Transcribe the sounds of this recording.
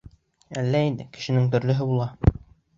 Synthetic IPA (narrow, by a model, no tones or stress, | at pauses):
ælːæind̪ɘ̰kɘ̥̆ʃɘ̆nɘŋt̪ɵ̆ɾlɵ̆ɦɘbulˠɑ